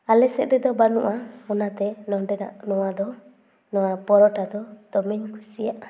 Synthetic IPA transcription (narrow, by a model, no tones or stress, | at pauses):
alɛsɛ̰ʔ̚d̪ɾɛd̪ɔbanṵʔaɔnat̪ɛnɔɖɛna̰ʔnɔwad̪ɔ | nɔwabɔɾɔʈad̪ɔd̪̥ɔmɛɲkʰusijaʔa